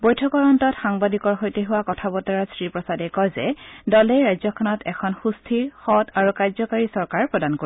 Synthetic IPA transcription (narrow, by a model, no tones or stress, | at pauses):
bojtʰɔkɔɹɔntɔtxaŋbadikɔɹɦojteɦʊwakɔtʰabɔtɔɹasɹipɹɔsadɛkɔjzɛ̰dɔlɛjɹajzɔkʰɔnɔtɛkʰɔnxustʰiɹxɔtaɹukajzɔkaɹisɔɹkaɹpɹɔdankoi